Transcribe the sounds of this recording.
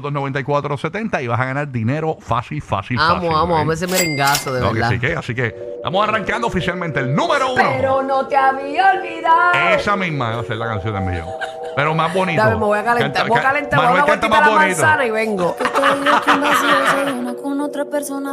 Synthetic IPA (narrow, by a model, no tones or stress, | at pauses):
ðonoent̪aikwat̪ɾoset̪ent̪aiβasaɣanaɾd̪ineɾofa̰silfa̰silaasmoamoammes̬emeɾeŋɡasoðeo̰ɾkeasḭkea̰sikett̪a̰mosaraŋkand̪oːfisjalmẽnt̪eːlnũmeɾouːnoeɾonot̪eaβiolβiðaesamismaaselakansjonḛmḭjo̰ | peɾomazbo̞nit̪aβemeβojakalet̪ebokalent̪aɾmameβkant̪omalabonanit̪sanaiβeŋɡokookmasoaunakonot̪ɾapeɾsona